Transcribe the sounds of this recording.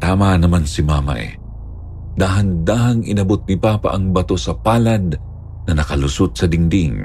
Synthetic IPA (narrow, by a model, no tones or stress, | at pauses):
t̪aːmanɐmansɪmaːmɐ̰ʔɛ̰ | d̪aːɦɐnd̪aːɦaŋɪnɐbot̪̚nɪpaːpa̰ʔɐŋbɐt̪o̞sɐpaːlɐd̪̚ | nɐnɐkɐlʊsot̪̚sɐd̪ɪŋd̪iŋ